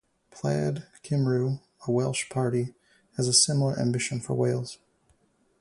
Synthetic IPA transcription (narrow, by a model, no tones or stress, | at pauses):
pʰl̥æ̰dkʰɪ̃mɹʉ | əwɛlˠʃpʰɑɹɾi | ɨzəsɪ̃ml̩ˠə˞ʔæ̰̃mbɪʃɨ̃nfə̰˞weɪlˠz̥